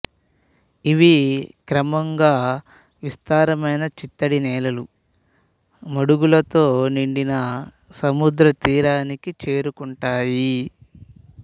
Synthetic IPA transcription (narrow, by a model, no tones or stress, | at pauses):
iʋikɾɐmɐŋɡaː | ʋist̪aːɾɐmɐjnɐt͡ʃit̪ːɐɽinɛːlɐlu | mɐɽuɡulɐt̪o̞ːniɳɖinɐ | sɐmud̪ɾɐt̪iːɾaːnikit͡ʃe̞ːɾukuɳʈaːji